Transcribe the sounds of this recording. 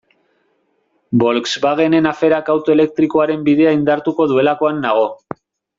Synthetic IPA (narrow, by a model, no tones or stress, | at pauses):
bo̞lksbaɣe̞ne̞nafe̞ɾakawt̪o̞e̞le̞k̚t̪ɾiko̞aɾe̞mbiðe̞aind̪aɾt̪uko̞ðue̞lako̞anːaɣ̞o̞